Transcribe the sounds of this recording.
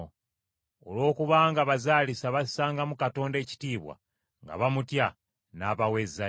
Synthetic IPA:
o̰lo̞ːkuβaːŋɡaβazaːlisaβassaːŋɡamukato̞ːnde̞ːci̥tiːβwa̰ | ŋɡa̰βamutja | naːβawe̞zːa

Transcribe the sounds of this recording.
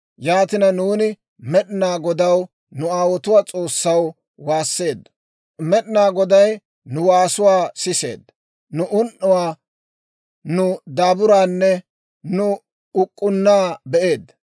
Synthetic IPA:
jaːt̪ɪnɐnuːnɪ | mɛɗɪnaːɡɔd̪ɐw | nʊaːwɔt̪ʊwaːt͡sʼo̞ːsːɐw | waːsːe̞ːd̪ː | mɛɗɪnaːɡɔd̪ɐj | nʊwaːsʊwaːsɪse̞̰ːd̪ | nʊʔʊnʔːʊwaː | nʊd̪aːbʊɾaːnːɛ | nʊ | ʊkʼːʊnːaːbɛʔe̞ːd̪

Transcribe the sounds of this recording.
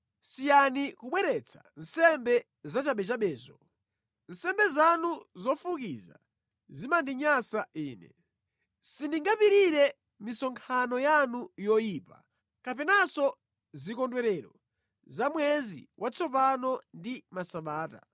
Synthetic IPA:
sijanikuɓwɛɾɛt͡sʰḁ̰n̩sɛmbɛ | zat͡ʃaɓɛt͡ʃaɓɛːzɔ | n̩sɛmbɛzanuzɔfukḭza̰ | zimandiɲasaʔiːnɛ | sindiŋɡapiɾiɾɛ | misɔŋkʰanɔjanujɔjiːpa̰ | kap̬ɛnasɔ | zikɔndwɛɾɛɾɔ | zamwɛzḭwʔat͡sʰɔpanɔndimasaɓaːta̰

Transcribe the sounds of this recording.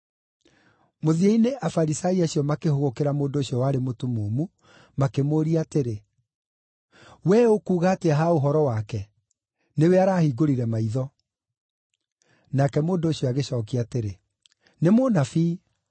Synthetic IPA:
moðieineʔafaɾisaiaɕiɔmakehoɣokeɾamoːndoːɕjɔwaɾemotumoːmu | makemoːɾiateɾe | wɛokuːɣaːteaɦaoɦɔɾɔwakɛ | neweaɾaːhiɡoɾiɾɛmaiðɔ | nakɛmoːndoɕjɔaɣeɕɔːk̬iateɾe | nemonafiː

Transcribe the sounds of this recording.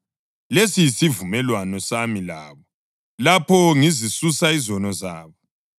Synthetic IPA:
lesijisivumɛlwanɔsamila̰ːβɔ | lapʰɔŋizisusaizɔnɔza̰ːβɔ

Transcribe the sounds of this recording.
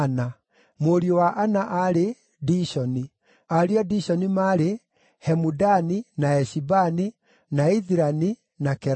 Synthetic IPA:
na | moɾiowaʔanaʔaɾe | diʃɔni | aɾiɔdiɕɔnimaɾe | hɛmudaninaɛʃibani | naiðiɾani | nakɛ

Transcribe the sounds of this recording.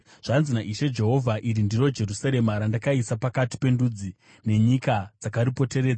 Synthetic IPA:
ʐ̥anzinaʔiʃe̞d͡ʒe̞ɦo̞vʱaʔiɾindiro̞d͡ʒe̞rusaɾe̞maɾandakaisapakati̥pe̞ndud͡zi | ne̞ɲikad͡zakaɾipo̞te̞ɾeːd͡za

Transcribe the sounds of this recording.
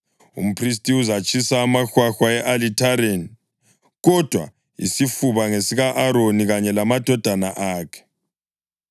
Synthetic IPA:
ṵm̩pʰris̬tʼiuzat͡ʃʼʰisaːmaxwaxwaɛʔalitʰaɾeni | ɣɔd̥ʱwa̰ | ḭsifuβaŋesiɣaʔaɾoniɣaɲɛlamad̥ʱɔd̥ʱanaʔaːkʰɛ̥

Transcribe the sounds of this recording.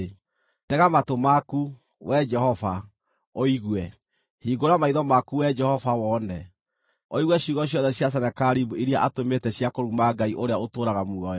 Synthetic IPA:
tɛɣamatomaku | wɛd͡ʒɛhɔva | oiɣwɛ | hiɡoɾamaiðɔmakuwɛd͡ʒɛhɔfawɔnɛ | oiɣwɛɕiɣɔɕ̬jɔðɛɕjas̬ɛnɛkaɾibuiɾjaʔatometɛɕjakoɾumaɡaiʔoɾeaotoːɾaɣamuɔjɔ

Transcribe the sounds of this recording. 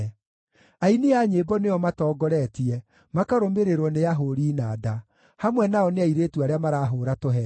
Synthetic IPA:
ainiaɲebɔneɔmatɔːɡɔɾɛtiɛ | makaɾomeɾeɾwɔneaɦoːɾiːnaːda | hamwɛnaɔneaiɾeːtuaɾeamaɾaɦoːɾatoɦɛ

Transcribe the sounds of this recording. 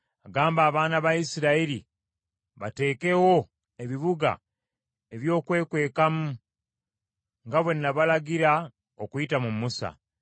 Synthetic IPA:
aɡaːmbaːβaːnaβaisiɾaiɾi | βate̞ːke̞wo̞ | e̞βiβuɡa̰ | e̞βjo̞ːkwe̞ːkwe̞ːkamu | ŋɡaβwe̞nːaβalaɡiɾa | okuitamumːusa̰

